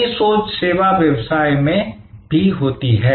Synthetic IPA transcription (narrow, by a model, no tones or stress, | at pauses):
isoːt͡ʃseːʋaʋjɐwsaːjmẽ | bʱiɦoːt̪iɦɛː